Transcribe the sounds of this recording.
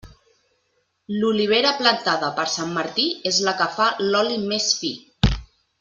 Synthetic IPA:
luliβ̞eɾəplənt̪aðəpəɾsamːəɾt̪iezləkəfalɔlimesfi

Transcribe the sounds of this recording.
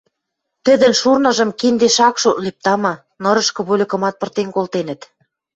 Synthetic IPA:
t̪ɘ̆d̪ə̆nʃurnɤ̆ʒɤ̆mkind̪eʃɑkʃoʔ̪lip̚t̪ɑmɑ | nɤ̆ɾɤ̆ʃkɤ̆βolʲɘ̆kɤ̆mɑt̪̚pɤ̆rt̪enkolt̪enə̆t̪

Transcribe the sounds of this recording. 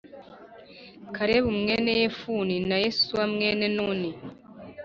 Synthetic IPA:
kʰaɾeβumŋe̞ːnejefuninajesuwamŋe̞ːnenuːni

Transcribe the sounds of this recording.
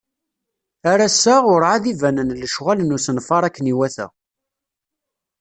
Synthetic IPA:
aɾæsːæʊɾʕaðivænənləʃʁælənʊsənfɑɾˤækːəniwæθæ̰

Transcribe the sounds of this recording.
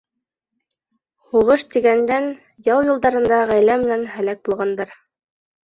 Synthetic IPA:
huʁɤʃt̪iɡænd̪æn | jɑwjɤ̆lˠd̪ɑɾɤ̆nd̪ɑʁæjlæmɘ̆nænhælæk̚bulˠʁɑnd̪ɑɾ

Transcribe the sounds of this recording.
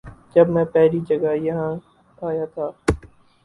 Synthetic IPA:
d͡ʒɐbmɛ̃ːpɛɦɾiːd͡ʒəɡajɐɦãː | aːjaːt̪ʰaː

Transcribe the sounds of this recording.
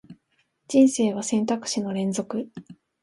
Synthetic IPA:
d͡ʑĩɰ̃se̞ːβasẽ̞nt̪akɯ̟̥ɕino̞ɾẽ̞nd͡zo̞kɯ̟

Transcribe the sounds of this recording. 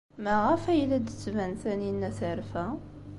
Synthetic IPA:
mæʁæfæjlæd̪ət͡sːvænθæninːæθəʕɾfæ

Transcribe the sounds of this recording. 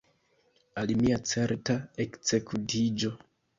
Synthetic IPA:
alimiat͡se̞ɾtaekse̞kʰutid͡ʒo̞

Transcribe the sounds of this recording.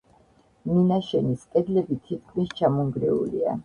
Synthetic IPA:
minaʃɛniskʼɛd̪lɛbit̪ʰit̪̚kʰmist͡ʃʰamɔŋɡɾɛṵlḭa̰

